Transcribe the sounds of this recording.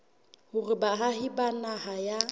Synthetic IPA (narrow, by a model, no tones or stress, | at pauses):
hʊrɪbaɦahɪbanahaja